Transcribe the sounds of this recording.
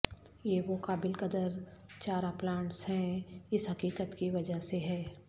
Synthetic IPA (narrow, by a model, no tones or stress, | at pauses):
jeːʋokaːbɪlkəd̪əɾt͡ʃaːɾaplãːɳʈsɦɛ̃ɪsɦɐkiːkət̪kiʋɐd͡ʒəɦseɦɛː